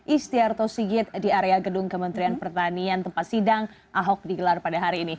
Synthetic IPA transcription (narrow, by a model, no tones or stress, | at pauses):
ʔist̪iart̪osiɡɪt̪̚diaɾeaɡədʊŋkəmənt̪ɾianpərt̪aniant̪əmpat̪̚sidaŋ | ʔaɦɔk̚diɡəlarpadaɦaɾiːni